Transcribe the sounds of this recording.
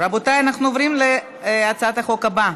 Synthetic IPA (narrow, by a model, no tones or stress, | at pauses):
ɾabot̪ajanaχnuovɾimle | at͡saat̪aχo̞kaba